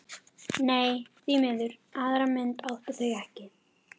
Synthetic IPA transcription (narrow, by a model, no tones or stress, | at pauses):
neːjθimɪðʏɾaðaɾamɪnt̪aːwht̪aθœɥɛhcɪ